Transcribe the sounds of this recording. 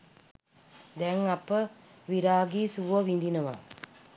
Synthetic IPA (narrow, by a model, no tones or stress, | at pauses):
d̪ɛŋɐpːə | ʋiɾaːɡiːsuʋoʋind̪inɐʋa̰ː